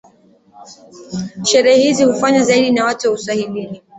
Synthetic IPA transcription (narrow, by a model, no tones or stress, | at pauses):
ʃɛɾɛhɛhizihufaɲazaiɗinawatuwausahilini